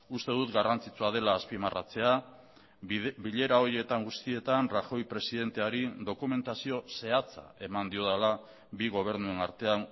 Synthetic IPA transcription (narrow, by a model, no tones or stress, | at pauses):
ust̪e̞ðut̪ɡarʔant͡sit͡suað̞e̞laːspimarʔa̰t͡se̞a | biʎe̞ɾao̞ɾje̞t̪aŋɡust̪ie̞t̪anraxo̞jpɾe̞siðe̞nt̪e̞aɾiðo̞kume̞nt̪asio̞se̞at͡sa̰e̞mand̪io̞ðala | biɣo̞β̞e̞ɾnue̞naɾt̪e̞an